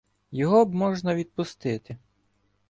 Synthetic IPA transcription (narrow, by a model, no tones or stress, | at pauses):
jɔɦɔbmɔʒnɐʋʲid̪̚pʊst̪ɪt̪ɪ